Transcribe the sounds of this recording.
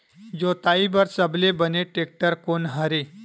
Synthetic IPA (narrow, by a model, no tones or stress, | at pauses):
d͡zot̪aibəɾsəblebəneʈek̚ʈəɾkonɦəɾe